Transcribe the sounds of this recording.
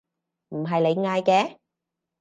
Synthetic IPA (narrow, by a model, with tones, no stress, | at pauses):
m̩˨˩ɦɐ˨jle˨˧jŋaː˧jkɛː˧